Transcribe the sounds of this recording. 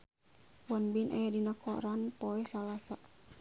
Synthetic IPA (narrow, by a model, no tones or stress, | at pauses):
wanbinʔa̰jadinakɔ̰ɾanpoɛsalasa